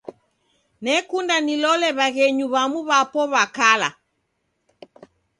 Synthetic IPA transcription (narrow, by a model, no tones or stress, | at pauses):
nɛkundanilɔlɛβaɣɛɲuβamuβapɔβakala̰